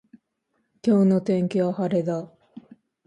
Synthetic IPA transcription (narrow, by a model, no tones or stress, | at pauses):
kʲo̞ːno̞t̪ẽ̞ŋkʲiβahaɾe̞d̪a